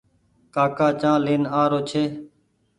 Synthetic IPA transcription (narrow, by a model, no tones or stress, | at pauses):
kaːkaːt͡ʃãːleːnaːɾoːt͡ʃʰeː